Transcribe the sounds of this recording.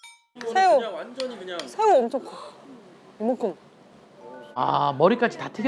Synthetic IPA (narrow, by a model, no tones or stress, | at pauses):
sʰeo | sʰeuʌmt͡ɕʰokʰ | imokʰɯm | a̰mʌɾik͈ad͡ʑitatʰɯɡe